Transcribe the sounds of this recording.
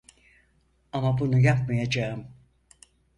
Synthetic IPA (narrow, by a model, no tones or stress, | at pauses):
amabunujapmajad͡ʒaɯm